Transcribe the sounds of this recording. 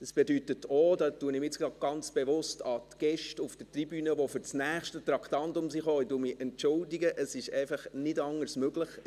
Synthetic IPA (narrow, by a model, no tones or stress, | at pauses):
d̥əsb̥ɛdytətoːdɑtːuənɪmɪt͡skɑɡ̥ɑnt͡sb̥ɛʋʊstɑtɡ̥ɛʃtʊfd̥ətribyːnəʋofʏɾt͡snæːχʃtət̪ɾɑktɑntʊmsiχoːɪduːmɪʔɛntt͡ʃʊldɪɡəʔəsɪʃɛɪfɑχnɪdɑŋːəɾsmøɡləχ